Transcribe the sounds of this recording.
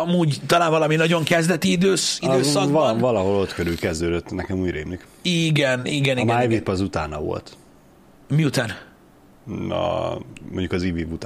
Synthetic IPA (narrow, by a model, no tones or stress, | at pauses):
ɒmuːɟt̪ɒlaːɱvɒlɒminɒɟo̞ŋkɛzd̪ɛt̪iid̪øːsidøːsɒkvɒlɒɦo̞lo̞t̪køɾylkɛzd̪øːd̪øt̪ːnɛkɛmuːɟɾemlik | iːɡɛniɡɛnimɛajvipɒzut̪aːnɒvo̞̰lt̪ | miut̪aːn | ɒ̰moɲɟukɒzivivut̪ː